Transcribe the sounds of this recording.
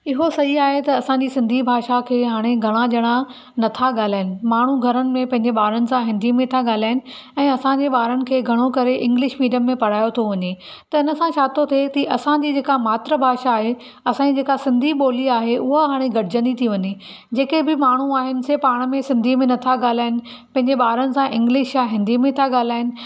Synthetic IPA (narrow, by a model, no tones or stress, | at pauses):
ɪɦosɐɦiaːɦet̪ɐɐsãɲd͡ʑisɪ̃nd̪ʱibʱaːʃakʰeːɦaːɽ̃eɡʱɐɽ̃aʄɐɽ̃a | nɐt̪ʰaɠaːl̤aːɪnɪ̆maːɳ̤uɡʱɐɾənɪ̆mẽpɐ̃ɦɪ̃ɲ̆d͡ʑeɓaːɾənɪ̆sãɦɪ̃nd̪ʱimẽt̪ʰaɠaːl̤aːɪnɪ̆ | ɛ̃ːɐsãɲd͡ʑeɓaːɾənɪ̆kʰeːɡʱɐɽ̃okɐɾeʔɪ̃ŋɡlɪʃmiːɖjəmːẽpɐɽ̤aːjot̪ʰoʋɐɲet̪ɐɪnə̆sãʃaːt̪ot̪ʰiet̪iʔɐsãd͡ʑiːd͡ʑeːkamaːt̪ɾəbʱaːʃaːɦe | ɐsãd͡ʑid͡ʑeːkasɪ̃nd̪ʱiɓoːliaːɦeʔʊɦoɦaːɽ̃eɡɐɽɪd͡ʑə̃nd̪it̪ʰiʋɐɲe | d͡ʑeːkebɪmaːɳ̤uaːɦɪnɪ̆sepaːɽ̃mẽsɪ̃nd̪ʱimẽnɐt̪ʰaɠaːl̤aːɪnɪ̆ | pɐ̃ɦɪ̃ɲd͡ʑeɓaːɾənɪ̆sãʔɪ̃ŋɡlɪʃjaɦɪ̃nd̪ʱimẽt̪ʰaɠaːl̤aːɪnɪ̆